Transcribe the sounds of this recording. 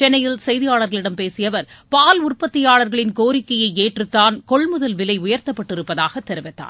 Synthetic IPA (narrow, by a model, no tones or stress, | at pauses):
t͡ʃɛnːɐjɪlsɛjðɪjaːɭɐɾɣɐɭɪɽɐmpeːsɪjɐʋɐɾpaːlʊrpɐt̪ːɪjaːɭɐɾɣɐɭɪnkoːɾɪkːɐjɐɪeːʈrɯt̪ːaːnkɔɭmʊðɐlʋɪlɐɪʊjɐɾt̪ɐpːɐʈːɪɾɯpːɐðaːɣɐt̪ːɛɾɯʋɛt̪ːa̰ːn